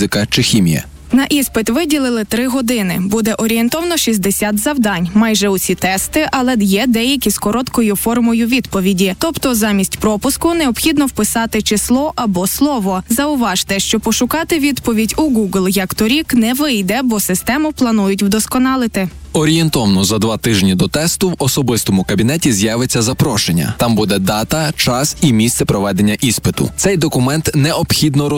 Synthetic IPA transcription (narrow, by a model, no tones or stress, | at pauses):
ɪkɐt͡ʃɪxʲimʲḭjɐ̰ | nɐʔispɪt̪ʋɪdʲilˠɪlˠɪt̪ɾɪɦɔd̪ɪnɪ̰bud̪ɛʔɔɾʲient̪ɔʋɐnɔʃʲizʲd̪esʲat̪zɐwd̪ɑnʲmɑjʒɛʊsʲit̪ɛst̪ɪʔɐlˠɛjɛd̪ɛjɐkʲiskɔɾɔt̪kɔjʊfɔrmɔjʊʋʲid̪pɔʋʲidʲit̪ɔpt̪ɔzɑmʲisʲtʲpɾɔpʊskʊneɔbxʲid̪nɔwpɪsɑt̪ɪt͡ʃɪslˠɔʔɐbɔslˠɔʋɔzɐʊʋɑʒt̪ɛʃt͡ʃɔpɔʃʊkɑt̪ɪʋʲid̪pɔʋʲidʲuɡuɡlˠjɐkt̪ɔɾʲiknɛʋɪjd̪ɛbɔsɪst̪ɛmʊplˠɐnujʊtʲwd̪ɔskɔnɑlˠɪt̪ɪ | ɔɾʲijent̪ɔʋnɔzɐd̪ʋɑt̪ɪʒnʲid̪ɔt̪ɛst̪ʊwɔsɔbɪst̪ɔmʊkɐbʲinɛtʲizjaʋet͡sʲːɐzɐpɾɔʃenʲːɐ̰t̪ɑmbud̪ɛd̪ɑt̪ɐt͡ʃɑsimʲist̪ɛpɾɔʋɛd̪e̞nʲːɐʔispɪt̪ʊ̰t̪sɛjd̪ɔkʊmɛnt̪nɛɔbxʲid̪nɔ